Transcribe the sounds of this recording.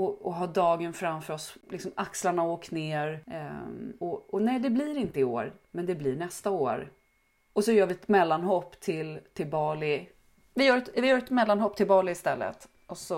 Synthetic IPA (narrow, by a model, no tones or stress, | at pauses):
ɔɔɦɑːd̪ɑːɡənfɾamfœɾɔslɪksɔmakslaɳaoːkt̪neːɾ | ɔɔnɛjd̪ɛblɪɾɪnt̪əɪoːɾmɛnd̪ɛblɪɳɛst̪aoːɾ | ɔsɔjœːɾvɪɛt̪mɛlːanɦɔpːt̪ʰɪlt̪ʰɪlbɑːlɪ | vɪjœːɾɛt̪vɪjœːɾɛt̪mɛlːanɦɔpːt̪ʰɪlbɑːlɪɪst̪ɛlːə̰t̪ | ʔɔsɔ